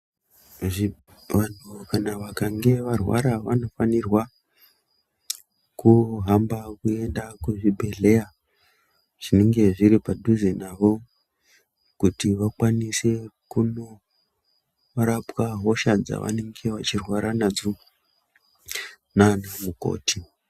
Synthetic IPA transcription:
ʐi | ʋan̤ukanaʋakaŋɡe̞ʋarwa̰ɾaʋano̞fanirwa | kuɦambakue̞ndakuʐibʱe̞ɮe̞ja | ʐ̥ine̞ŋɡe̞ʐiɾipaduzenaʋo̞ | kutiʋakwanise̞kuno | ɾapwaɦo̞ʃad͡za̰ʋa̰ne̞ŋɡe̞ʋat͡ʃirwaɾanad͡zo | nanamuko̞̰ːti

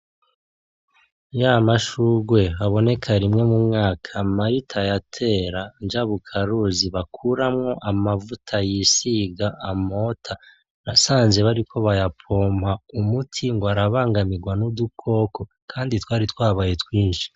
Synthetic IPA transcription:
jamaʃuːɡwe̞βaβo̞ne̞kʰaɾimŋe̞mumŋaːkʰamaɾitʰajatʰe̞ːɾand͡ʒaβukʰaɾuziβakʰuɾamŋo̞ʔamavutʰajisiɡaʔːmo̞tʰa | nasaːnze̞βaɾikʰo̞βajapʰo̞ːmhaumutʰiŋɡoaɾaβaːŋɡamiɡwanudukʰo̞ːko̞ | kʰaːnditwaːɾitwaːβaːje̞twiːnʃi̥

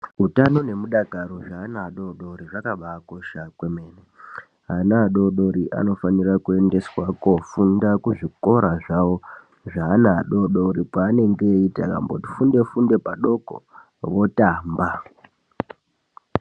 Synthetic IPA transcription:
utano̞ne̞muɗaɡʱaɾoʐaːnaɗo̞ɗo̞ɾiʐakaɓako̞ʃakweme̞ːne | ɦanaːɗo̞ɗo̞ɾiʔa̰no̞fanirakue̞nde̞swakofundakuʐiko̞ɾaʐawo | ʐaːnaɗo̞ɗo̞ɾipwaːne̞ŋɡe̞itaka̰mbo̞̰ti̥funde̞funde̞paɗo̞ko̰ | ʋo̞taːmba

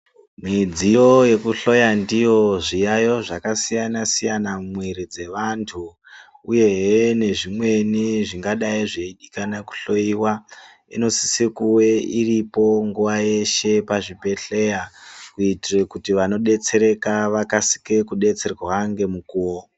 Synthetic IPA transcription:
mid͡zijo̞je̞kuɬo̞jandijo̞ʐijajo̞ʐakasijanasijanamweɾid͡ze̞ʋantʰuː | je̞ɦene̞ʐimwe̞niʐiŋɡaɗaiʐeiɗikanaku̥ɬo̞iwa | ḭno̞si̥sikuwe̞iripo̞ŋɡuʋaje̞ʃe̞paʐipe̞ɬe̞jakuitirekutiʋano̞ɗe̞t͡se̞ɾe̞kaʋakasi̥kekuɗe̞t͡se̞rwaŋɡe̞mukuːwo

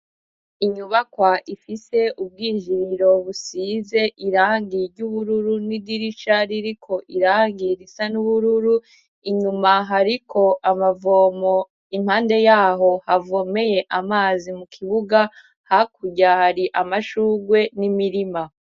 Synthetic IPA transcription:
iɲuβakwaʔifise̞ʔub̚ɡiːʒiɾo̞βusiːze̞ʔiɾaːŋɡiɾɟuβuɾuɾunidiɾit͡ʃaɾiɾikʰo̞ʔiɾaːŋɡiɾisanuβuɾuɾu | iɲumaɦaɾikʰo̞ʔamavo̞ːmo | imhaːnde̞jaːɦo̞havo̞me̞je̞ʔamaːzimukʰiβuɡa | hakuɟahaɾiʔamaʃuːɡwe̞nimiɾima

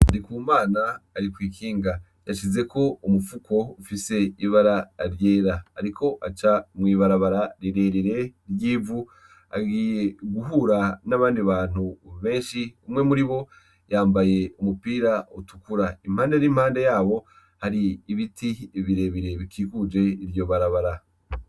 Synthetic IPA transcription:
aɾikuːmaːnaːɾikwiːkʰiːŋɡa | jaʃize̞ko̞umufukʰo̞ufise̞iβaɾaɾje̞ːɾaːɾikʰo̞ʔat͡ʃamwiːβaɾaβaɾaɾiɾe̞ɾiɾe̞ɾjiːvu | a̰ɡiːje̞ɡuɦuɾanaβaːndiβaːn̥huβe̞ːnʃiumŋe̞muɾiβo̞ | jaːmbaje̞umupiːɾautukuɾaim̥haːnde̞ɾimhaːnde̞jaːβo̞ | haɾiːβitʰiβiɾe̞βiɾe̞βikʰiːkud͡ʒe̞iɾjo̞βaɾaβaɾa

